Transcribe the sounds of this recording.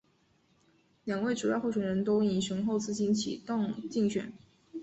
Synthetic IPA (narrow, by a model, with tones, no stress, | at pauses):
ljɑ˨˩ŋwe˥˩ɪʈ͡ʂu˨˩jʊxo˥˩ʊɕɥɛ˨˩nɻə˧˥nt̪o˥ʊ˥˩i˥˩ʂə˧˥ŋxo˥˧ʊt͡sɹ̩˥˩t͡ɕi˥nt͡ɕʰḭ˨˩t̪ɑ˥˧ŋt͡ɕi˥˩ŋɕɥɛ̰˨˩˦n